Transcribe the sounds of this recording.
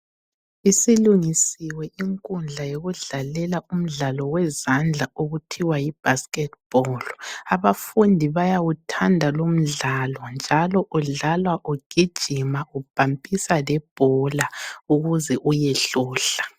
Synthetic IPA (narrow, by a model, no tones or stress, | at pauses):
isiluŋisiwɛʔiŋkʼund͡ɮʱajoɣuɮalɛlaum̩ɮalɔwɛzand͡ɮʱaoɣutʰiwajib̥ʱaskʼɛt̚b̥ʱɔlaβafundʱiβajaɣutʰandʱalom̩ɮalwɔnd͡ʒʱalɔʔuɮalwaʔuɡ̥ʱid̥ʒ̥ʱimaʔub̥ʱampʼisalɛb̥ʱɔlauɣuzɛʔujɛɬɔːɬḁ